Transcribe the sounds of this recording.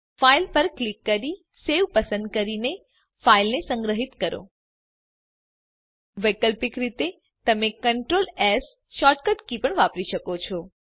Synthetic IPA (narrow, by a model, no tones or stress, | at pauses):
failpəɾklikːəɾi | seʋpəsə̃nd̪̚kəɾine | failnesəŋɡɾəɦit̪kəɾo̰ | ʋəjkəlpikɾit̪e | t̪əmekəɳʈɾolɛs | ʃɔʈkəʈkipəɳʋapɾiʃəkot͡ʃʰɔ